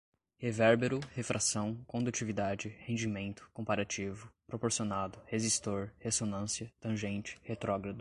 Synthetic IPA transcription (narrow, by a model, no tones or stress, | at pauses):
hevɛɾbeɾʊhefɾʔasɐ̃w̃kõd̪ut͡ʃivid̪ad͡ʒɪhẽd͡ʒimẽnt̪ʊ̥kõpaɾat͡ʃivʊpɾopoɾsionad̪ʊhezist̪oɾhesonɐ̃siɐt̪ɐ̃ʒẽnt͡ʃɪ̥het̪ɾɔɡɾad̪ʊ